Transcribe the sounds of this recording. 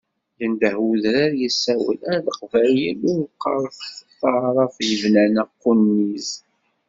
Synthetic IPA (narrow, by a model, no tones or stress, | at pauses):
jənd̪əhwuðɾaɾjəsːæwə̰læɾðəqvæljilʊɾqːɑ̰ɾˤfθət̪ːɑʕɾˤɑfjəvlænæqːunːiz